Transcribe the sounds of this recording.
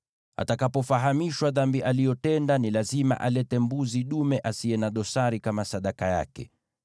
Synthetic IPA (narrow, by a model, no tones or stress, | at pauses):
a̰takapɔfaɦamiʃwaðambiʔalijɔtɛndanilazima̰ʔalɛtɛmbuziɗumɛʔasiɛnaɗɔsaɾikamasaɗakaja̰kɛ̰